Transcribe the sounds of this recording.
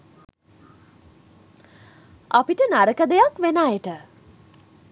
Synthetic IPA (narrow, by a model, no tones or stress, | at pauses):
apiʈənaɾəkəd̪ejakʋenajəʈə